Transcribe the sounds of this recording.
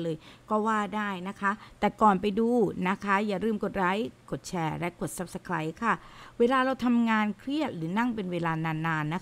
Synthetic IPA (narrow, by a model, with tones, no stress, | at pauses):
lɤː˧jkɔː˥˩waː˥˩daː˥˩jna˦˥kʰa˦˥t̪ɛː˨˩kɔː˨˩npa˧jduː˧na˦˥kʰa˦˥jaː˨˩ɾɯː˧˩mko˨˩t̪̚ɾa˦˥jko˨˩t̪̚t͡ɕʰɛː˧˩lɛ˦˥ko˨˩t̪̚sa˦˥p̚sa˧kʰɾa˦jkʰa˥˩weː˧laː˧ɾa˧wt̪ʰa˧mŋaː˧nkʰɾi˥˩ət̪̚ɾɯː˩˦na˥˩ŋpe˧nweː˧laː˧naː˧nːaː˧nːa˦˥